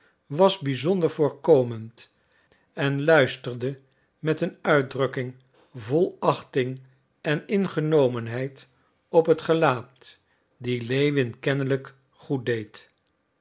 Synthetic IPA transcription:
ʋɑzbizɔndəɹv̥ʊːɹkowmənt | ɛnlœɥstəɹdə | mɛtənœɥ̚drɵkɪŋ | vɔlˠɑχtɪŋ | ʔɛnɪnχənowmənɦɛjt | ɔpɦətχəlaːt | dilejʋɪnkɛnələk | χut̚dejt

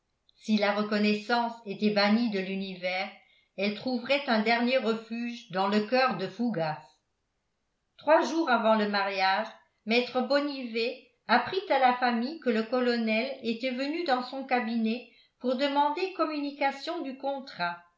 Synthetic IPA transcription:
silaʁəkɔnɛsɑ̃set̪ɛbaɲid̪əlynivɛːʁ | ɛlt̪χuvʁɛt̪ɛ̃d̪ɛʁnjeʁəfyːʒd̪ɑ̃ləkœʁd̪əfuɡas | t̪χwaʒuːʁavɑ̃ləmaʁjaːʒ | mɛt̪χəbɔnive | apχit̪alafamijkələkɔlɔnɛlet̪ɛvənyd̪ɑ̃sɔ̃kabinɛ | puʁd̪əmɑ̃d̪ekɔmynikasjɔ̃d̪ykɔ̃t̪χa

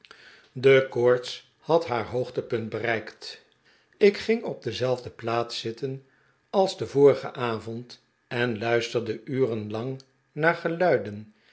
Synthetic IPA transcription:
dəkɔɹts | hɑtɦaːɹɦowχtəpɵnt̚bərɛjkt | ɪkχɪŋɔb̚dəzɛlˠvdəplaːtsɪtən | ɑlˠzdəvʊːɹəχə̰ʔaːvɔnt | ɛnlœɥstəɹdəʔyːrənlɑŋ | naːɹχəlœɥdən

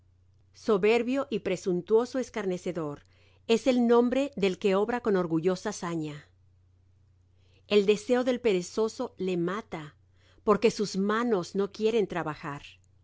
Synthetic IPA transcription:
so̞βe̞ɾβjo̞ʔipɾe̞sunt̪wo̞so̞e̞skaɾne̞se̞ðo̞ɾ | e̞se̞lnõ̞mbɾe̞ðe̞lke̞o̞βɾako̞no̞ɾɣuʝo̞sasaɲa | e̞ld̪e̞se̞o̞ðe̞lpe̞ɾe̞so̞so̞le̞mat̪a | po̞ɾke̞suzmano̞zno̞kje̞ɾe̞nt̪ɾaβaxaɾ

